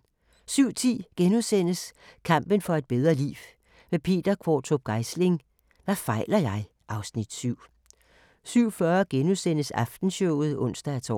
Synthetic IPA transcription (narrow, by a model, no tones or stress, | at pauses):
syʊ̰t͡sʰḭːɡ̥enusen̰əskʰɑ̈m̰b̥ənfɒ̽e̝d̥̚b̥eð̞ˠʁɐlḭːʋ | ʋe̝pʰe̝̰ːd̥ɐkʰʋɒ̰ːt͡sʰob̥̚ɡ̥ɑ̈ɪsle̝ŋ | ʋæfɑ̈ɪlɐjɑ̈ɪ | ʔɑ̈ʊsnid̥syʊ̰ | syʊ̰fɶɐɡ̥enusen̰əsɑfd̥n̩ɕɔʊð̞̩ˠɔ̽n̰sd̥æːt͡sʰɒ̰